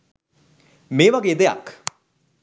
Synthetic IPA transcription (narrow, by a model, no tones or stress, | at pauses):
meːʋaɡeːd̪eja̰k